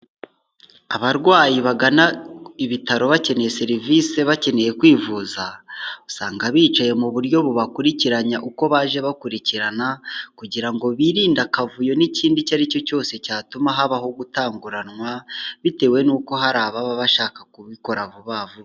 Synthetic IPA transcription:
aβaɾɡwaːjiβaɡanaiβitaɾo̞βace̞ne̞je̞se̞ɾivise̞βace̞ne̞je̞kwiːvuːzau̥saːŋɡaβiːt͡ʃaje̞muβuɾjo̞βuβakuɾiciɾaɲaʔuko̞βaːʒe̞βakuɾiciɾanakuɟiɾaŋɡo̞βiɾiːndakavujo̞niciːndicaɾico̞co̞ːse̞caːtumaɦaβaɦo̞ɡutaːŋɡuɾanŋwaβite̞ːwe̞nuːko̞ɦaɾaːβaβaβaʃaːkakuβiko̞ɾaβuβaːvu

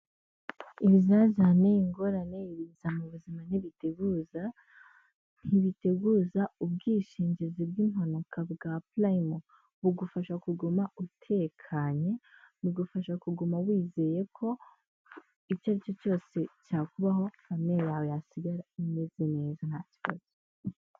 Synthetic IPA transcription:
iβizazaneiŋɡo̞ɾane̞iβizamuβuziman̥iβiteɡuza | n̥iβiteɡuːzaubɡiːʃiːɲɟezibɡiːn̥wanokʰabɡaplaimo | βuɡufaʃakuɡumautʰe̞kʰaɲe̞βuɡufaʃakuɡumawiːze̞je̞kʰo̞ | it͡ʃaɾit͡ʃo̞t͡ʃo̞ːse̞caːkuβaɦo̞ | amejawejasiɡaɾaime̞ze̞ne̞ːzan̥haci̥βa̰z̥o

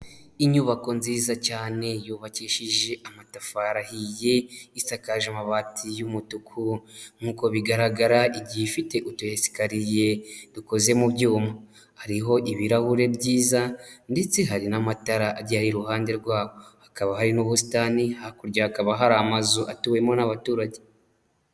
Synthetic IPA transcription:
iɲuːβako̞nziːzacaːne̞juːβaciːʃiʒe̞ʔamatafaɾahije̞isakaʒamaβatʰijumutukʰuŋ̥huːko̞βiɡaɾaɡaɾaʔiɟiifite̞ʔutuhesi̥kaɾije̞duko̞ze̞muβɟuːma | haɾiɦo̞ʔiβiɾahuɾe̞bɟiːzandet͡seɦaɾinamataɾaʔːɾɟaɾiɾuhaːnde̞ɾɡwaːβo̞hakaβaɦaɾinoβusi̥tanihakuɾɟahakaβaɦaɾaːmazuʔatuwe̞mo̞naβatuːɾaɟe

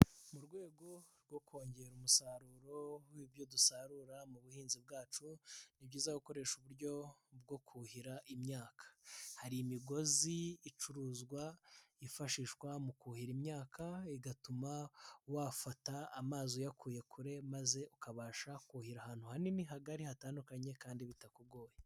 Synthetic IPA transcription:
muɾɡwe̞ːɡo̞ɾɡwo̞kʰo̞ːɲɟe̞ɾumusaɾuɾo̞wiːbjo̞dusaɾuɾamuβuhiːnzib̚ɡaːt͡ʃunibɟiːzaɡuko̞ɾe̞ʃuβuɾɟo̞b̚ɡo̞kʰuhiɾaʔimɲaːkʰḁhaɾiimiɡo̞ziːt͡ʃuɾuːzɡwaifaʃiːʃkwamukuːhiɾimɲaːkʰaiɡatumawafataːmaːzojakʰuːje̞kʰuɾe̞maze̞ʔukaβaːʃakuhiɾahaːn̥huhaniniɦaɡaɾihataːndukaɲe̞kaːndiβitakuɡo̞ːje

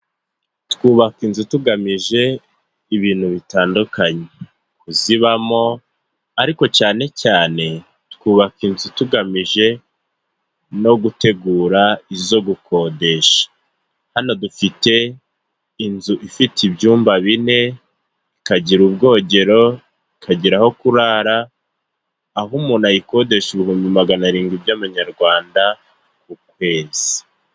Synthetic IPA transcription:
tkuːβakinzutuɡamiʒe̞ | iβiːnhuβitaːndukaɲe | kuziβamo̞ | aɾiko̞t͡ʃaːne̞caːne̞ | tkuːβakinzutuɡamiʒe̞ | no̞ɡute̞ɡuːɾaizo̞ɡukʰo̞de̞ʃḁ | hano̞dufite̞ | inzuʔifitibjuːmbaβine̞ | ikaɟiɾub̚ɡo̞ːɟe̞ɾo̞ | ikʰaɟiɾaho̞kuɾaːɾa | ɦumunajiko̞de̞ʃuβihuːmbimaɡanaɾiːŋɡibɟaβaɲaɾɡwaːnda | k̚ukwe̞ːz̥i̥

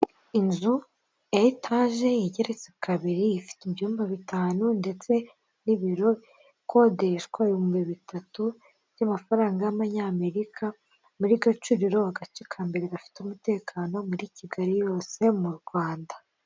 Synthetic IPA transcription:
inzu | jaitʰaːʒe̞jiɟe̞ɾe̞t͡sekʰaβiɾiːfi̥tibjuːmbaβitaːnunde̞t͡se̞ | niβiɾo̞ | kʰo̞deɾeʃkwajumbeβitatu | βjamafaɾaːŋɡajaβaɲaːme̞ɾikʰa | muɾiɡat͡ʃuɾiɾo̞aɡat͡ʃikʰaːmbe̞ɾeɡafi̥tumute̞ːkʰaːno̞muɾiciɡaɾijo̞ːse̞muɾɡwaːnda

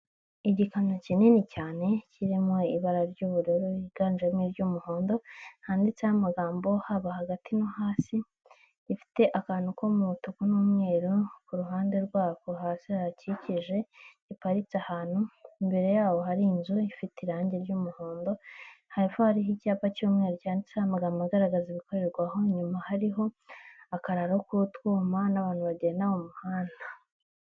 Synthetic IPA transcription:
iɟikanocinenicaːne̞ciɾimweiβaɾaɾɟuːβuɾeɾoiɡaːnd͡ʒemŋeɾɟuːmuho̞ːndo̞haːndit͡sehamaɡaːmbo̞haβahaɡatinohaːsi | ifi̥te̞ʔakaːn̥ukomuutukunuːmŋe̞ːɾokuɾuɦaːnde̞ɾɡwaːkuɦaːsihaaciciʒe̞ | ipaɾit͡sahaːn̥huimbe̞ɾe̞jaːwo̞haɾiːnzuifitiɾaːɲɟe̞ɾɟuːmuhoːndo̞haɾifohaɾiɦicaːpacuːmŋe̞ːɾocaːndisaamaɡamumaɡaɾaɡaziβiko̞ɾe̞ɾɡwaɦo̞ɲumahaɾiɦo̞akaɾaɾaokuutwuːmanaβaːnhuβaɟeːndaβomuhaːna

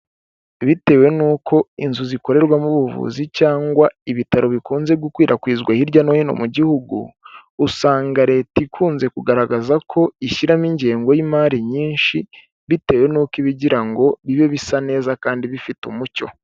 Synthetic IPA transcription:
βite̞ːwe̞nuːkʰo̞inzuziko̞ɾe̞ɾɡwamuβuvṵːzicaːŋɡwaiβitaɾo̞βikuːnze̞bɡukwiːɾʔakwiːzɡwahiɾɟanohino̞̰muɟihuɡṵːsaːŋɡaɾe̞ːtikʰuːnze̞kuɡaɾaɡazakʰo̞iʃiɾamiɲɟe̞ːŋɡo̞jimaːɾiɲiːnʃi | βite̞ːwe̞nuːkiβiɟiɾaŋɡo̞βiβeβisane̞ːzakaːndiβifitumuco̞̰

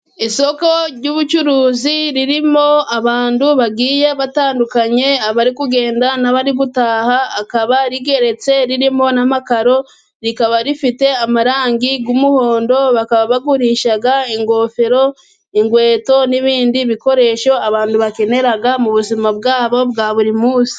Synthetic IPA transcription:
iso̞koɾɟuːβut͡ʃuɾuːziɾiɾimo̞aβaːnduβaɡiːje̞βataːndukaɲe̞aβaɾikuɡe̞ːndanaβaɾiɡutaːhaːkaβaɾiɡe̞ɾe̞t͡se̞ɾiɾimo̞namakaɾo̞ | ɾikaβaɾifite̞amaɾaːŋɡiɡumuhoːndo̞βakaβaβaɡuɾiʃaɡaiŋɡo̞fe̞ɾo̞ | iŋɡwe̞ːto̞niβiːndiβiko̞ɾe̞ʃo̞aβaːnduβake̞ne̞ɾaɡamuβuzimabɡaːβo̞bɡaːβuɾimuːsi̥

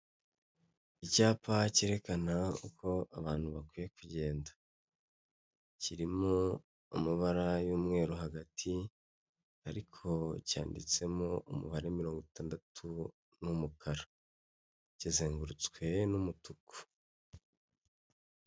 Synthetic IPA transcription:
icaːpace̞ːɾe̞kanaukʰo̞aβaːn̥huβakwiːje̞kuɟe̞ːndḁ | ciɾimo | ṵmuβaɾajuːmŋe̞ːɾoɦaɡatʰi | aɾikʰo̞ca̰ːndḭt͡se̞moʔumṵβaɾemiɾo̞ːŋɡotaːndatʰu | numukʰaɾa | cizeːŋɡuɾut͡skwe̞numutuku̥

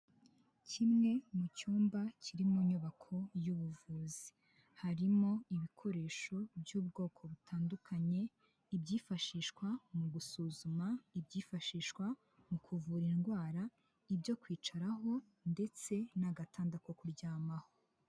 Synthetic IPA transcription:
cʰimŋe̞mucuːmbacʰiɾimuɲuβakʰo̞juβuvuːzi | haɾimo̞iβikʰo̞ɾe̞ːʃo̞bjuːbɡo̞ːkʰo̞βutʰaːndukʰaɲe̞ | ibɟiːfaʃiːʃkwamuɡusuːzumaibɟiːfaʃiːʃkwa | mukʰuvuɾinɡwaːɾa | ibjo̞kwiːt͡ʃaɾaɦo̞ | nde̞t͡se̞naɡatʰaːndako̞kuɾɟaːmahoo

